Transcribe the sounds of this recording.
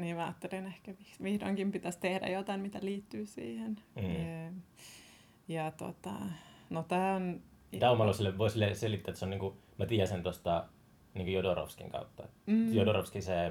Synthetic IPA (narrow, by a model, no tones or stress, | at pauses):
niːmmæɑ̰ːt̪ːelenehkæʋiksʋihdo̰ŋkimpit̪æst̪ehdæ̰jot̪ɑimmit̪æliːt̪ːyːsḭːhen̩ː | jɑt̪o̰t̪ɑ̰not̪æːon | t̪ɑumɑloselːeʋʋoisilːeselit̪ːæːt̪ːseoniːŋku | mɑt̪iːæsent̪ost̪ɑ | niːŋkojodoro̰fskḭŋkɑ̰ut̪ːɑ̰m̩ːjodorofskise